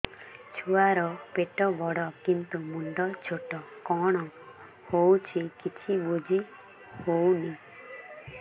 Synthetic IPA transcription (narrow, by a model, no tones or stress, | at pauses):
t͡ʃʰuaɾɔpeʈɔbɔɽɔkint̪umuɳɖɔt͡ʃʰoʈɔkɔɽ̃ɔ | howt͡ʃʰikit͡ʃʰibud͡ʒʱi | howni